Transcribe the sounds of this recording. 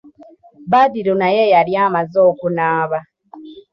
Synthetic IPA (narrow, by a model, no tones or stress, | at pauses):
badiɾunajejaɾjaːmazoːkunaːβa